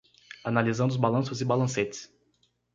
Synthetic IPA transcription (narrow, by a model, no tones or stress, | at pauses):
analizɐ̃nd̪ʊzbalɐ̃sʊzɪbalɐ̃set͡ʃ̪ɪ̥s